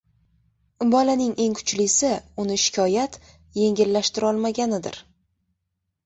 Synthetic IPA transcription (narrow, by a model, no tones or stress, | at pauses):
ɪmbɒlanɪŋe̞ŋkʰʊ̥t͡ʃlɪsɪʊnɪʃɪ̥kʲʰɒjat̪ | je̞ŋʲɪlːaʃt̪ɪɾɒlˠmaɡʲanɪd̪ɪ̰ɾ